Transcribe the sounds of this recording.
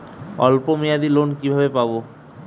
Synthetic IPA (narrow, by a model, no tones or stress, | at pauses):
ɔ̰lpomijad̪ilonkibʱabepabo